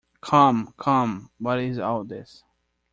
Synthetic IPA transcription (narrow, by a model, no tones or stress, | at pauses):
kʰʌ̃mkʰʌ̃mwʌɾɪzaðɪs